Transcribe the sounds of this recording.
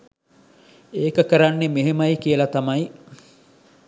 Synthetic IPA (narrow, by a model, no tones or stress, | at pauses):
eːkəkəɾanːemeɦemɐjkijəlɐt̪ɐmɐj